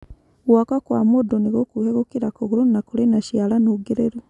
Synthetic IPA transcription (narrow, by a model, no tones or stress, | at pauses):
wakakwamodoniɣokuheɣokiɾakoɣuɾunakulenaʃjalanoɡeɾeɾu